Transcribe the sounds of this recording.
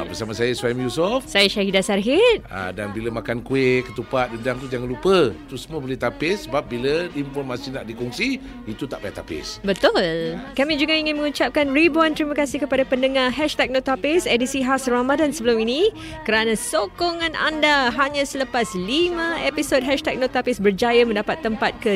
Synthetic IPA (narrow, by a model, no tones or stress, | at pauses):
abəsamasajaswajmjusɔfsajaʃaɦidasarɦɪt̪̚a̰danbiləmakankuɪkːət̪upat̪̚dədaŋt̪ud͡ʒaŋanlupət̪usəmboleht̪apɪsːəbap̚biləimfɔrmasinaʔdikɔŋsi | it̪ut̪aʔpajat̪apɪ̰sbət̪ʊlkamid͡ʒuɡaiŋɪnmə̃ŋut͡ʃap̚kanribɔant̪ɾimakasikəpadapəndəŋahɛʃt̪ɛk̚not̪apɪsedisiɦasramadansəbəlʊmini | kəɾanãsokoŋãnʔa̰ndaɦaɲãsələpaslimãepisod̚ɦɛʃt̪ɛk̚not̪apɪsbərd͡ʒajaməndapat̪ːəmpat̪̚kə